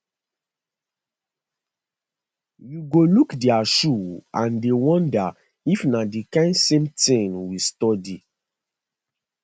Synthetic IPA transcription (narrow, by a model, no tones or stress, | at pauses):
juɡolukdiaʃuãndewɔ̃nda | ifnadikãɪ̃nsẽmtĩnwistɔdi